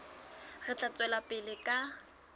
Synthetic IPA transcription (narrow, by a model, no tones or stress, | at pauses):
ɣɪt͡ɬʼat͡sʼwɛlapʼɪlɪkʼa